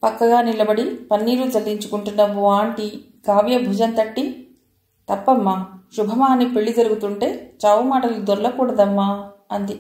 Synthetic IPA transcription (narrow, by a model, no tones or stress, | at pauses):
pɐkːɐɡaːnilɐbɐɽipɐnːiːɾud͡zɐɭːiɲt͡ʃu̥kuɳʈunːɐʋuaːɳʈi | ɡaːʋjɐbʱud͡ʒɐnt̪ɐʈːi | t̪ɐpːɐmːaːʃubʱɐmaːnːipe̞ɭːid͡ʒɐɾuɡut̪uɳʈe̞ːt͡ʃaːʋumaːʈɐlud̪ɔɾlɐkuːɽɐd̪ɐmːaɐnd̪i